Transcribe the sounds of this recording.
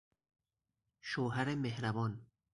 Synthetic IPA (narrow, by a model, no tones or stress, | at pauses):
ʃoːɦæɾemehɾæbɒːn